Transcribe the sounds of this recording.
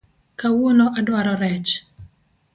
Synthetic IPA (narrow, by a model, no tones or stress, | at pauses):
kawonoʔadwaɾɔɾɛt͡ʃ